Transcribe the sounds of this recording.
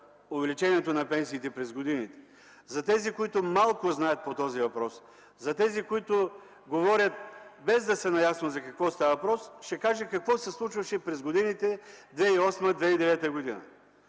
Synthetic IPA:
ʊvɛlit͡ʃɛniɛt̪onɐpɛnsiːt̪ɛpɾɛzɡod̪init̪ɛ̥ | zɐt̪ɛzikoit̪ʊmalˠkʊznajət̪̚pot̪ɔzivɐpɾɔs | zɐt̪ɛzikoit̪ʊ | ɡovɔɾʲɐt̪̚bɛzd̪ɐsɛnɐjasnozɐkɐkvɔst̪avvɐpɾɔsʃɛkaʒɛkɐkvɔsɛslˠut͡ʃvɐʃɛpɾɛzɡod̪init̪ɛd̪vɛiɔsmɐd̪vɛid̪ɛvɛt̪əɡod̪inɐ̰

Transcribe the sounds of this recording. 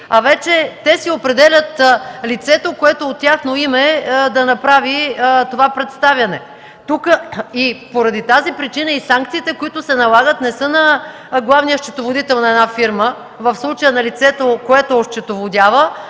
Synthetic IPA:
avɛt͡ʃɛt̪ɛsiopɾɛd̪ɛlʲət̪lit̪sɛt̪okoɛt̪oːt̪ːʲjaxnoimɛd̪ɐnɐpɾavit̪ovapɾɛt̪st̪avʲjɐnɛ | t̪ukəipoɾɐd̪it̪azipɾit͡ʃinəisaŋkt̪siːt̪ɛkoit̪ʊsɛnɐlˠaɡət̪nɛsɤnɐ | ɡlˠavnijəʃt͡ʃɛt̪ovod̪it̪ɛlˠnɐɛd̪nafiɾmə | vəfslˠut͡ʃəjənɐlit̪sɛt̪okoɛt̪ooʃt͡ʃɛt̪ovod̪ʲjavə

